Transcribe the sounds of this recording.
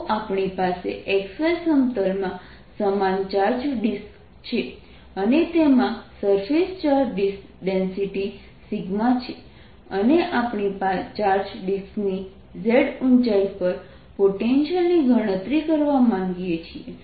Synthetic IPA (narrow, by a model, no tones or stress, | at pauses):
ʔapɳipasḛʔeksajsəmt̪əlmã | səmant͡ʃaɾd͡ʒɖisk | t͡ʃʰe | ənet̪emãsəɾfest͡ʃaɾɖisk | ɖensiʈi | siɡmat͡ʃʰe | əneʔapɳipat͡ʃaɾd͡ʒɖiskni | zeɖunt͡ʃaipəɾ | poʈenʃəlniɡʱəɽ̃ət̪ɾikəɾʋamãŋɡjet͡ʃʰie